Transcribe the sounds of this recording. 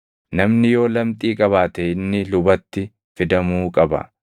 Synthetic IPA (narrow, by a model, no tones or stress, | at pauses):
nɐmnɪjo̞ːlɐmt̪ʼiːkʼɐβaːt̪ɛɪnːɪlʊbɐt̪ːɪ | fɪd̪ɐmuːkʼɐbɐ̰